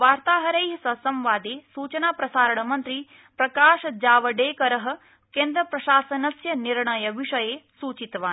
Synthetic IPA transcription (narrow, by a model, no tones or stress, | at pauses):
ʋaːɾt̪aːɦɐɾɐjɦɐsɐsɐ̃mʋaːd̪eːsuːt͡ʃɐnaːpɾɐsaːɾɐɳɐmɐnt̪ɾi | pɾɐkaːʃɐd͡ʒaːʋɐɖeːkɐɾɐɦɐ̆ | keːnd̪ɾɐpɾɐʃaːsɐnɐsjɐniɾɳɐjɐʋiʂɐjeːsuːt͡ʃit̪ʋaːn